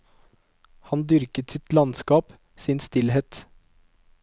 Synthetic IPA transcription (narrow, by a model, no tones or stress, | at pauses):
hɑnd̪ʏɾkət̪sɪt̪lɑnskɑːp | sɪnst̪ɪlheːt̪